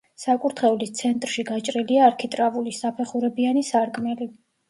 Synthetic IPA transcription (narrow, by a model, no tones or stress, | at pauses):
sakʼuɾt̪ʰχɛulist̪sʰɛnt̪ʼɾʃiɡat͡ʃʼɾiliaːɾkʰit̪ʼɾavulisapʰɛχuɾɛbianisaɾkʼmɛli